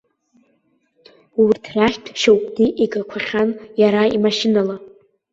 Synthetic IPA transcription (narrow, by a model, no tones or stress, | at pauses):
urtʰraχʲtʰʃawkʼdiʔiɡakʷʰaχʲanjaɾaimaʃinala